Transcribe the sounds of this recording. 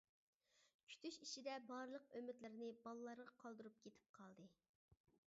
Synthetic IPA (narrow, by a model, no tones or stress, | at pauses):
kʲʰy̥t̪ʰyʃiʃid̪ɛbɑɾlˠəqømɪt̪lɪɾnɪbɑlˠɨlˠɑɾʁɑqʰɑlˠd̪ɨɾup̚kʲʰet̪ʰɪ̥p̚qʰɑlˠd̪ɨ